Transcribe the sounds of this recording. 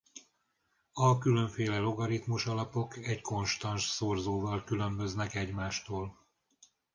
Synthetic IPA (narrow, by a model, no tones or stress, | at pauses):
ɒkylø̞ɱfeːlɛloɡɒɾit̪muʃɒlɒpo̞kɛɟko̞nʃt̪ɒnʃsorzoːvɒlkylø̞mbø̞znɛkɛɟmaːʃt̪oːl